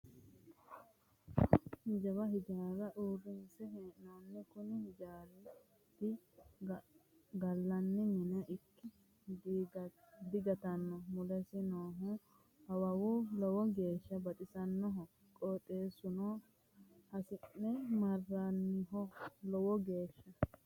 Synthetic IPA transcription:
d͡ʒɐβɐɦɪd͡ʒaːɾɐʔuːrːɪnsɛɦeːʔnonːɛkʊnɪhɪd͡ʒaːl | t̪ːɪ | ɡɐlːɐnːɪmɪnɐʔɪkːɪ | d | d̪ɪɡɐt̪ɐnːɔmʊlɛsɪnoːɦʊ | ɐwɐwʊlɔwɔɡe̞ːʃːɐbɐt̪ʼɪsɐnːɔɦɔ | kʼoːt̪ʼe̞ːsʊno | hɐsɪnːɛmɐrːanːɪɦɔlɔwɔɡe̞ːʃːɐ

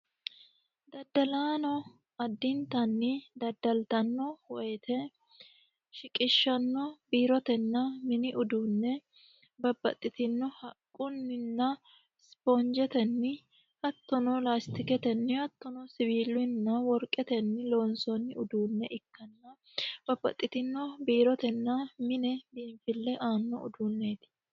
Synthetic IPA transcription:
d̪ɐd̪ɐlaːnɔ | ɐd̪ːɪnt̪ɐnːɪd̪ɐd̪ːɐlt̪ɐnːɔwɔjɛt̪ɛ | ʃɪkʼɪʃːɐnːɔbiːɾɔt̪ɛnːɐmɪnɪʔʊd̪uːnːɛ | bɐbːɐ̰t̪ʼːɪt̪ɪnːɔhɐkʼːʊnːɪnːɐ | spoːnd͡ʒɛt̪ɛnːɪ | hɐt̪ːɔnɔlaːst̪ɪkɛt̪ɛnːɪhɐt̪ːɔnɔsɪbiːlɪnːɐwɔɾkʼːɛt̪ɛnːɪlo̞ːnsɔnːɪʊd̪uːnːɛʔɪkːɐnːɐ | bɐbːɐ̰t̪ʼːɪt̪ɪnːɔbiːɾɔt̪ɛnːɐmɪnɛbiːɱfɪlːɛʔaːnːɔ̰ʊ̰d̪uːnːeːt̪ɪ̥

